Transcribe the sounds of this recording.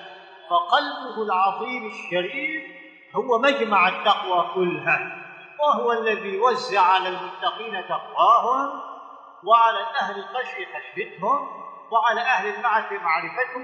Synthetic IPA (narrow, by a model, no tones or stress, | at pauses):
fɑqɑlbʊhʊlʕɑðˤiːmaʃːaɾiːf | hʊwamad͡ʒmaʕat̪ːɑqwaːkʊlːɦaː | waɦʊwaalːaðiːjwazːɪʕʕalalmʊt̪ːɑqiːnat̪ɑqwaːɦʊm | waʕalaːʔahlɪlqaʃjɪfaʃbɪt̪hʊm | waʕalaːʔahlɪlmaʕɾɪfɪmaʕɾɪfat̪h